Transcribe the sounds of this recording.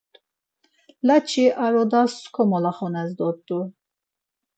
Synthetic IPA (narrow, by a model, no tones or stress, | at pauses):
lat͡ʃʰiʔaɾɔd̪asskʰɔmɔlaχɔnɛzd̪ɔt̪ʼːu